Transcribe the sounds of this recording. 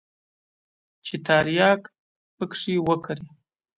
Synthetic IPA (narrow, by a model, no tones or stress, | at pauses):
t͡ʃet̪aɾjɑk | pəkʂiwəkʰaɾi